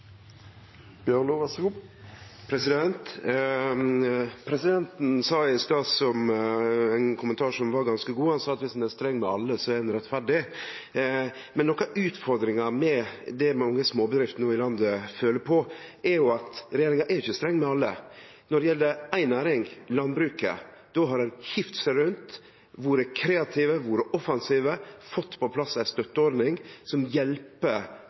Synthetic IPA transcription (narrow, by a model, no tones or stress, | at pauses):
b̥jønoʋɑsu | pʰɾɛsɪd̪ɛnt̪ | pʰɾɛsɪd̪ɛnt̪n̩sɑːɪst̪ɑːsɔm | ænkʰʊmənt̪ʰɑːʂɔmʋɑɾɡɑnskəɡuːhɑnsɑːɑt̪ʋɪsɑnæst̪ɾɛŋːmɛɑ̰lːəsɔæd̪ɛnɾɛt̪fæɖɪ | mɛnːɔkːɑʔʉːt̪fɔɾd̪ɾɪŋɑmɛd̪ɛmɑŋːəsmoːbəd̪ɾɪft̪nuːɪlɑnd̪əføːləɾpʰɔɛɾjʊɑt̪ɾɛjeːɾɪŋɑʔɛɾɪçəst̪ɾɛŋːmɛɑlːə̰ | nɔɖɛjɛlːəɾæɪnæːɾɪŋlɑnbɾʉːkə̰ | d̪̥ɔɦɑɾɛnçɪft̪sæɾʉnt̪ | ʋʊɾɛkʰɾeːɑt̪ʰiːʋəʋʊɾəʔɔfɑnsiːʋəfɔt̪ːpʰɔpʰlɑsːæɪst̪œt̪ːəɔɾɖ̪nɪŋsɔmjɛlpə